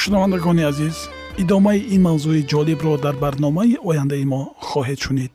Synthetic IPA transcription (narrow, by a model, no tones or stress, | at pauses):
ʃunavand̪aɡɔniaziz | id̪ɔmaiʔinmawzuid͡ʒɔlibɾɔd̪aɾbaɾnɔmaiʔɔjand̪aimɔχɔɦed̪ʃunid̪̚